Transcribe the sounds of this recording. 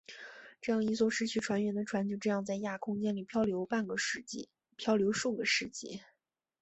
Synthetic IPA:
ʈ͡ʂɤ˥˧jɑ˥˩ŋi˧˥swɔ˥˩ʂɻ̩˥t͡ɕʰy˥˩ʈ͡ʂʰwa˧˥nɥɛ˧˥nd̪ə˧ʈ͡ʂʰwa˧˥nt͡ɕjo˥˧ʊʈ͡ʂɤ˥˧jɑ˥˧ŋt͡sa˥˧ɪja˥˩kʰʊ˥ŋt͡ɕjɛ˥nli˨˩pʰjɑ˥ʊljo˧˥ʊpa˥˩nɡə˩ʂ̩˥˩t͡ɕi˥˩ | pʰjɑ˥ʊljo˧˥ʊʂu˥˩ɡə˩ʂɻ̩˥˩t͡ɕḭ˥˩

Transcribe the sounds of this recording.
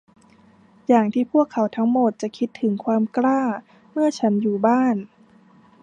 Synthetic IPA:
jaː˨˩ŋt̪ʰiː˥˩pʰu˥˩əkʰːa˩˦wt̪ʰa˦˥ŋmo˨˩t̪̚t͡ɕa˨˩kʰi˦˥t̪ʰːɯ˩˦ŋkʰwaː˧mklaː˥˩ | mɯ˥˩ɐt͡ɕʰa˦˥njuː˨˩baː˥˩n

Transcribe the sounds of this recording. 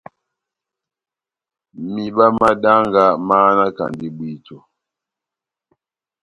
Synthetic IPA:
mi˨ɓa˦ma˦da˦ŋɡa˦maː˦na˦ka̰˨ndi˦bwi˦tɔ˨

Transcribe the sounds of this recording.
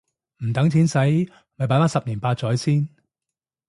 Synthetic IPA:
m̩˨˩t̪ɐ˨˥ŋt͡sʰiː˨˥nsɐ˨˥j | mɐ˨˧p̬aː˨˥faː˥sɐ˨p̚niː˨˩npaː˧t̚t͡ʃɔː˨˥jsiː˥n

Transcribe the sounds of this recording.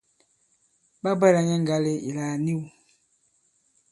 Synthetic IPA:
ba˦bɛ˦˨la˨ɲɛ˦ŋ˨ɡa˦le˦ḭ˨laː˨ni˦wu˨

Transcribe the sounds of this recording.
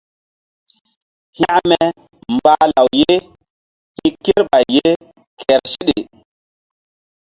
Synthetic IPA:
ha˦ʔmɛ˨ | mba˦la˨wje˦ | hi˦ke˦ɾɓa˨jːe˦ | kʰɛ˨ɾsi˦ɗe˨

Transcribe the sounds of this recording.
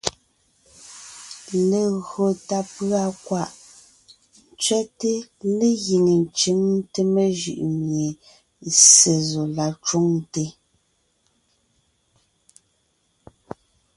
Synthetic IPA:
le˨ɣɰo˨ta˦pɰa˦˨kwa˦˨ʔ | n˨t͡sɥɛ˦te˦le˦ɣi˨ŋe˨n˨t͡ʃi˦ŋ˦te˦me˨ʒɯ̰˨ʔmje˨ | se˨zo˨la˨t͡ʃo˦ŋte˦

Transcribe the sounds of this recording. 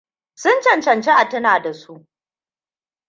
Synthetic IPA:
sʊ˦nt͡ʃɐ˨nt͡ʃɐ˨nt͡ʃe˦ʔa˨tɐ˦naː˨da˨su˦ʔ

